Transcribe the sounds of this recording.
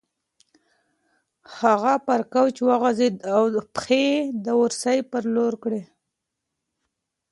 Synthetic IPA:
haɣapaɾkawt͡ʃewaɣazeawpxed̪əwʊɾsajpəɾloɾkɽe

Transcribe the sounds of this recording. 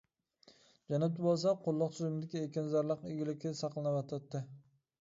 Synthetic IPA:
d͡ʒanat̪ɪbolˠs̬aqʰolˠːɑqsʰʊzɪmd̪ɪkʲʰɪekʲanzaɾlˠɑqɪɡʲɪlɪkʲɪsɑqlˠɪnabat̪ʰat̪ːɪ

